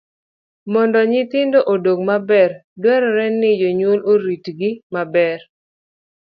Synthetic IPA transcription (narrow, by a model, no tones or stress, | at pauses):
mɔndɔɲɪt̪ɪndoʔodoɡmabɛɾdwɛɾɔɾɛnːɪd͡ʒoɲwoloɾitɡɪmabɛr